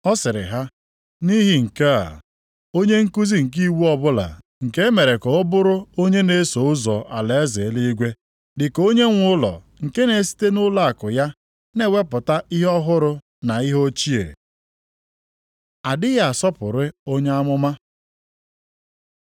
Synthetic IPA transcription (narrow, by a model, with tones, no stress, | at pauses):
ɔ˦sɪ˨ɾɪ̰˨ɦa˦ | ni˦ɦi˨ŋ̩˨ke˦a̰˨ | o˦ɲe˦ŋ̩˦ku˦zi˦ŋ̩˨ki˦wu˦ɔ˦bʊ˦la̰˨ | ŋ̩˨ke˦e˦me˨ɾe˨kɔ˨ʊ˦bʊ˦ɾʊ˦o˦ɲe˦ne˨˦so˨˦ʊ˦zɔ˨ʔa˨le˨e˦ze˨˦li˦ɡʷe˦ | dɪ˨ko˦ɲe˦ŋʷʊ˦lɔ̰˨ | ŋ̩˨ke˦ne˨˦si̥˦te˦nʊ˦la˦a˨kʊ˨ja˦ | ne˦we˦pʊ˨ta˦ʔi˦ɦɔ˦ɦʊ˦ɾʊ˦ | na˨i˦ɦo˦t͡ʃi˦ḛ˨ | a˨dɪ˦ja˨a˨sɔ˦pʊ̰˨ɾɪ˦o˦ɲe˦a˦mʊ˦ma˦